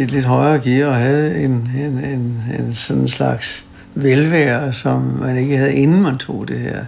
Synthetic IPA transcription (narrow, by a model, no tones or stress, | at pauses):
i̥le̝d̥ɦɒɪɐːɡ̥iɒ̽ɦɛð̞̩ˠe̝nenenensɒ̽nenslɑ̈ɡ̥s | ʋelʋæːɐsɒ̽mmæne̝ɡ̥əɦhæð̩ˠe̝nn̩mænt͡sʰo̝̰ːd̥e̝hæɐ̰